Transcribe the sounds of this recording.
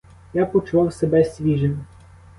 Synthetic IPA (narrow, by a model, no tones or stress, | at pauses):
japɔt͡ʃʊʋɑwsebɛsʲʋʲiʒɪm